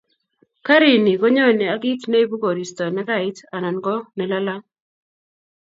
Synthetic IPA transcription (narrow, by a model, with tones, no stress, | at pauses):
ka˦ɾi˨ni˨ɡo˦ɲo˦˨ni˨a˨˦ɡi˦tne˦i˦bu˦ɡo˨ɾi˨stɔ˨nɛ˦ɡa˦˨ɪ˦ta˨na˨nɡɔ˦nɛ˨la˦la˦